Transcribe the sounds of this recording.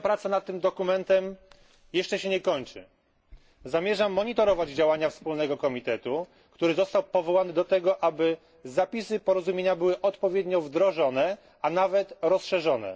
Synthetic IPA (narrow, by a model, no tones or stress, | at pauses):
pɾat̪sanat̪ːɘmd̪ɔkumɛnt̪ɛm | jɛʂt͡ʂɛɕɛɲɛkɔɲt͡ʂɘ̰ | zamʲjɛʐamːɔɲit̪ɔɾɔvad͡ʑd͡ʑawaɲafspulnɛɡɔkɔmʲit̪ɛt̪u | kt̪uɾɘzɔst̪awpɔvɔwanɘd̪ɔt̪ɛɡɔʔabɘ | zapʲisɘpɔɾɔzumʲjeɲabɘwɘʔɔt̪pɔvʲjed̪ɲɔvd̪ɾɔʐɔn̪ɛ | anavɛt̪ɾɔsʂɛʐɔnɛ̰